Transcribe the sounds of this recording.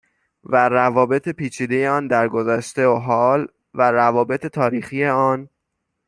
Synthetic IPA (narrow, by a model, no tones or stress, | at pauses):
værævɒːbe̞t̪ʰepiːt͡ʃʰiːd̪e̞jeɒːnd̪æɾɡozæʃt̪eoɦɒːl | væɾævɒːbe̞t̪ʰe̞t̪ʰɒːɾiːxije̞ɒːn